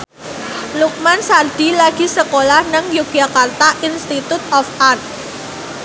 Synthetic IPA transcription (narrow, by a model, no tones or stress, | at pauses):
luk̚mansard̪̥i̤laɡ̥i̤səkolahnəŋjuk̚ʒ̥akart̪aʔinst̪it̪ut̪̚ɔfʔarn